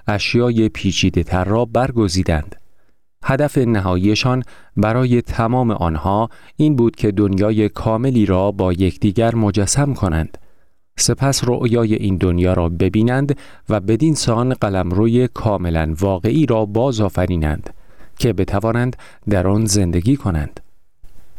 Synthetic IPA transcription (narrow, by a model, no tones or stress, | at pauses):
æʃjɒːje̞pʰiːt͡ʃʰiːd̪e̞t̪ʰæɾːɒːbæɾɡo̞ziːd̪ænd̪̥ | hæd̪æfe̞næɦɒːjiːe̞ʃɒːn | bæɾɒːje̞t̪ʰæmɒːme̞̰ʔɒːnhɒːiːnbuːd̪̥cʰe̞d̪o̞njɒːje̞kʰɒːme̞liːɾɒːbɒːje̞cʰd̪̥iːɟæɾmo̞d͡ʒæsːæmkʰo̞næ̰nd̪̥ | se̞pʰæsroʔjɒːje̞ʔiːnd̪onjɒːɾɒːbe̞biːnænd̪væbe̞d̪insɒːnɢælæmɾoːje̞kʰɒːme̞lænvɒːɣe̞ʔiːɾɒːbɒːzɒːfæɾiːnæ̰nd̪̥cʰe̞be̞t̪ʰævɒːnænd̪ | d̪æɾɒːnze̞nd̪e̞ɡʲiːkʰo̞næ̰nd̪̥